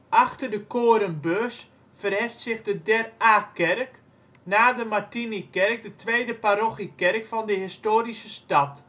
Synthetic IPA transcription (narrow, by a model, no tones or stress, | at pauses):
ʔaχtərdəkoːɾənbøst | fərhɪftsɪxdədɛraːkɛrk | naːdəmatinikɛrk̚dətʰʋeːdəpaɾoχikɛrkfɔndəɦɪstoːɾisəstɑt